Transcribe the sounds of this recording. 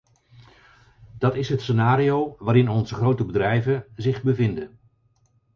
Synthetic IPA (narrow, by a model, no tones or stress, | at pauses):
d̥ɑtɪsɦətsənaːɾiowʋaːɾɪnɔnzəχrowtəbədrɛjvənzɪχbəvɪndən